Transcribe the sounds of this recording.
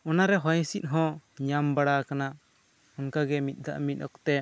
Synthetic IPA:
ɔnaɾɛɦɔjsit̪̚ɦɔ̃ɲambaɽakana | unkaɡɛmit̪̚ˀd̪a̰ʔmit̪̚ˀɔkt̪ɛ

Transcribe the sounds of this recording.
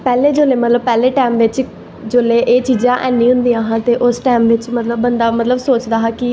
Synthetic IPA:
pɛːleːd͡ʒoːleːmət̪ləb̚pɛːleːʈaːmʋɪt͡ʃ | d͡ʒoːleːʔeːt͡ʃiːd͡ʒãːʔɛːnːĩːɦʊ̃nd̪iːãːɦãːt̪eːʔʊsʈaːmʋɪt͡ʃmət̪ləbːənd̪aːmət̪ləbsoːt͡ʃd̪aːɦaːkɪ

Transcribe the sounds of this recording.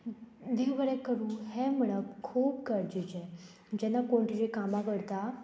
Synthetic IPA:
d̪iʋəɭɛ̃kəɾũɦɛməɭəkkʰuːpkəɾd͡ʑid͡ʑɛ̃ | d͡ʑɛ̃nːakoɳʈiɾekamakəɽt̪a

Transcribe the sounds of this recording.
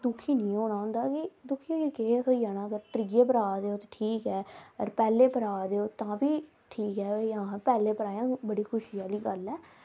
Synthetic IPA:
d̪ʊkʰiːnĩːoːɽ̃aːɦʊ̃ːnd̪aːkɪd̪ʊkʰiːoekeːsʰoːijaːnaːɡəɾʈ̪ɾɪɡeːpəɾaːd̪eːoːt̪ːʈʰiːkɛːəɾpɛːleːpəɾaːd̪eːoːt̪ãːbiː | ʈʰiːkɦɛːãːpɛːleːpəɾaːjãːbəɽiːkʰʊʃiːaːliːɡəlɛː

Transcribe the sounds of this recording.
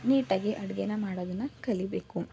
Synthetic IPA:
niːʈaːɡiʔɐɽɐɡejnːɐmaːɽoːd̪ɐnːɐkɐlibeːku

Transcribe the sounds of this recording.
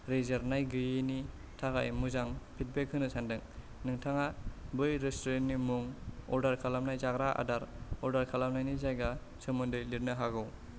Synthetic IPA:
ɾezaɾnajɡɯjɯni | tʰaɡajmuzaŋpʰit̚bek̚hɯnɯsʰandɯŋ | nɯŋtʰaŋabɯjɾestɔɾennːimuŋɔ̰ɾdaɾkʰalamnajzaɡɾaʔa̰daɾɔɾdaɾkʰalamnajnizajɡa | t͡ʃʰɯmɯndɯjliɾnɯɦaɡɯw

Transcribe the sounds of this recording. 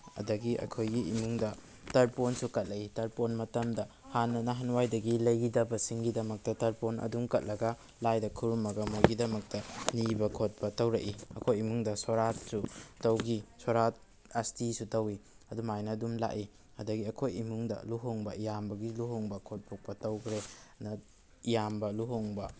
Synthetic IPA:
ɐ̰dɐɡiʔɐ̰kʰojɡiḭmuŋdɐ | tɐɾponsukɐt̚lɐitɐɾponmɐtɐmdɐ | hanːɐnɐɦanwajdɐɡilɐjɡidɐbɐsiŋɡidɐmɐk̚tɐtɐɾponʔɐ̰duŋkɐt̚lɐɡɐ | lajdɐkʰuɾumɐɡɐmuɡidɐmɐk̚tɐnibɐkʰot̚pɐtɐwɾɐʔiɐkʰojimuŋdɐsoɾat̚sutɐwɡisoɾat̚ | ɐstisutɐwi | ɐdumajnɐdumla̰ʔi | ɐdɐɡiɐkʰojimuŋdɐ̰luɦoŋbɐijambɐɡiluɦoŋbɐkʰot̚pʰok̚pɐtɐwkʰɾenɐ | ijambɐluɦoŋbɐ

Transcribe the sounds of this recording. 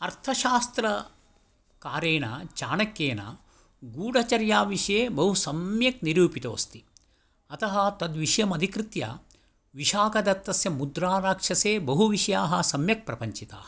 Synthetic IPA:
ɐɾt̪ʰɐʃaːst̪ɾɐ | kaːɾeːnɐ̰t͡ʃaːnɐkːeːnɐ̰ | ɡuːɽʱɐt͡ʃɐɾjaːʋiʂjeːbɐɦusɐmjɐk̚niɾuːpit̪o̰ːst̪i | ɐt̪ɐɦɐt̪ɐd̪ʋiʃjɐmɐd̪ʱikɾɪt̪jɐ̰ | ʋiʃaːkɐd̪ɐt̪ːɐsjɐmud̪ɾaːɾaːkʂɐseːbɐɦuʋiʃɐjaːɦɐsɐmjɐk̚pɾɐpɐɲt͡ʃit̪a̰ːhɐ

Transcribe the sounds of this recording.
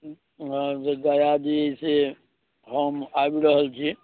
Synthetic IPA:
d͡ʒeɡajad̪iəise | ɦəmabiɾəɦəlt͡ʃʰi

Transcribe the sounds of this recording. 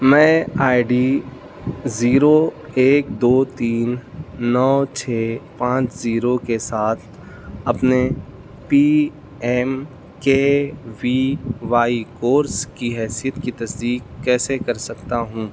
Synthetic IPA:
mɛ̃ːaːɪɖiː | ziːɾoeːk̚d̪oːt̪iːnːɔːt͡ʃʰeːpãːt͡ʃziːɾokesaːt̪ʰ | ɐpne | piː | ɛːm | keːʋiːʋaːikoːɾskiɦɛːsijət̪kit̪ɐsd̪iːkːɛːsekɐɾsɐkt̪aɦũː

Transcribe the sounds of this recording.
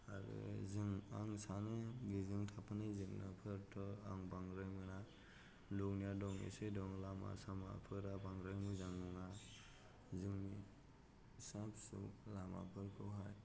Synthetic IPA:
aɾɯ̰zɯŋaŋsanɯɡizɯŋtʰapʰanɯzɯŋnapʰɯɾtʰɔaŋbaŋɾɯjmɯna | luknijadɔŋḭsedɔŋlama̰sama̰pʰɯɾabaŋɾɯjmɯzaŋnuŋa | zɯŋni | sapsṵlama̰pʰɯɾkʰɯwɦaj

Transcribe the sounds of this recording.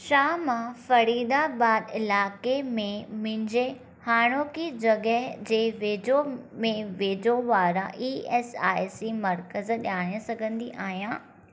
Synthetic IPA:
ʃaːmãfɐɾiːd̪abaːd̪ɪlaːkemẽmɪ̃ɲd͡ʑe | haːɽ̃oːkid͡ʑɐɡəɦd͡ʑeːʋeːd͡ʑomẽʋeːd͡ʑoʋaːɾãʔiːɛːsa̰ːɪsimɐɾkəzɗʲjaːɽ̃ə̃sɐɡʱə̃nd̪iʔaːɦijãː

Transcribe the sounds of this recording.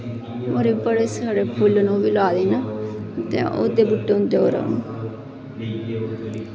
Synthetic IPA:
moɾeːbəɽeːsaːɽeːpʰʊlːnõːʋiːlaːd̪eːnat̪ḛ̃ːʔo̰ːd̪eːbʊʈːeːʊ̃nd̪eoːɾə̰ːnː

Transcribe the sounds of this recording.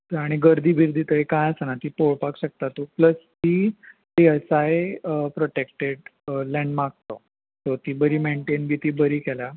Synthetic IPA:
t̪əɾaɽ̃iɡəɾd̪ʱiːbʱiɾd̪ʱiːt̪əekãjəsənat̪iːpoɭpakɕək̚t̪at̪upləst̪iːʈiəsajpɾɔʈekʈeɖlɛɳɖmaɡ̚t̪o | t̪oɾt̪iːbəɾiːmeɳʈenbit̪iːbəɾiːkɛlja

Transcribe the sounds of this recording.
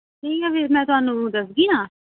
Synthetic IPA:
tiːkɛʋemɛ̃ːt̪ʊɦaːnũːd̪əsɡiːnaː

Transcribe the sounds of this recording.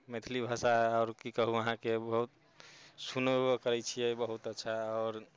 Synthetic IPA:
met̪ʰilibʱasaɔːɾkikəɦuəɦãkebəɦut̪ | sunkəɾɛjt͡ʃʰijɛbəɦut̪ətːʃʰaɔːɾ

